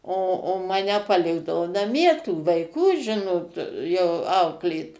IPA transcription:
oː oː ˈmɑːnʲɛ pɐˈlʲɪɡdɐʋoː nɐˈmʲiɛ tuː ʋɐɪˈkuː ˈʒʲɪnoːt jɛʊ ˈɐʊklʲeːt

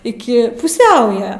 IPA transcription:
ɪˈkʲɪ pʊˈsʲɛʊjɛ

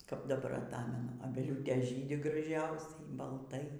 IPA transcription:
kɐp dɐˈbɐr ɐˈtɑːmʲɛnʊ ɐˈbʲæːlʲuːtʲeːs ˈʒʲiːdʲɪ ɡrɐˈʒʲɛʊsʲɛɪ bɐlˠˈtɐɪ

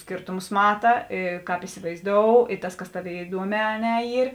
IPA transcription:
ˈsʲkʲeːrtʊmʊs ˈmɑːtɐ ˈeː ˈkɑːp ɪsʲɪʋɐɪzˈdoːʊ ɪ ˈtɐs ˈkɐs ˈtɑːˌʋʲeːɪ ɪˈduɔˌmʲɛː ɐ ˈnʲɛ ˈiːr

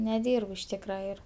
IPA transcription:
nʲɛˈdʲiːrp ɪʃ ˈtʲiːkrɐ ˈɪr

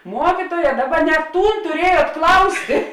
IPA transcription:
ˈmuɔkʲɪtuɔjɛ ˈdɑːˌbɐ nʲɛ ˈtuːn tʊˈrʲiɛjuɔt ˈklˠɐʊsʲtʲeː

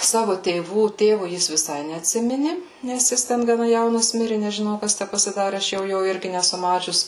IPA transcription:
ˈsɑːʋʊ tʲeːˈʋuː ˈtʲeːʋʊ ˈjɪs ʋʲɪˈsɐɪ nʲɛɐtʲˈsʲɪmʲɪnʲɪ nʲɛs ˈjɪs ˈtʲɛn ɡɐˈnɐ jɛʊˈnɐs ˈmʲɪrʲɪ nʲɛʒʲɪˈnɐʊ ˈkɐs tʲæ pɐsʲɪˈdɑːrʲɪ ˈɐʃ ˈjɛʊ ˈjoː ˈɪrʲɡʲɪ nʲɛˈsʊ ˈmɑːt͡ʃʲʊs

